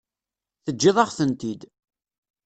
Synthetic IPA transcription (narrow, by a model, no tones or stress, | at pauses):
θəd͡ʒːɪðˤɑʁθənt̪id̪